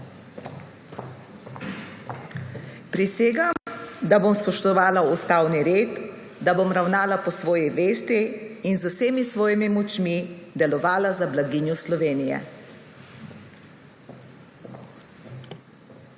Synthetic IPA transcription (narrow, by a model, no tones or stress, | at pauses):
pɾiseːɡamd̪abomspɔʃt̪ɔʋaːlaust̪aːwniɾeːt̪ | d̪abomɾawnaːlapɔsʋɔːjɛʋeːst̪iːnzuseːmisʋɔːjimimɔt͡ʃmid̪ɛlɔʋaːlazablaɡiːnjɔslɔʋeːnijɛ̰